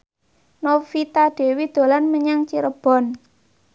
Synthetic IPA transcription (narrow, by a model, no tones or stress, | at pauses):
nofit̪aɖ̥e̤wid̪̥o̤lanməɲaŋt͡ʃiɾəb̥ɔ̤n